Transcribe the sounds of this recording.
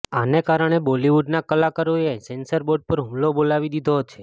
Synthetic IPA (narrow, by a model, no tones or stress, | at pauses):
anekaɾəɳ̃ebɔliʋuɖnakəlakəɾojesensəɾboɖ̚pəɾɦũmlobolaʋid̪id̪ʱot͡ʃʰe